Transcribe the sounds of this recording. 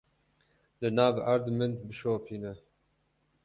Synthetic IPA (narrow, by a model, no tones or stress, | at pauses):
lɨnɑːvʔaɾd̪mɨnd̪bɨʃoːpʰiːnɛ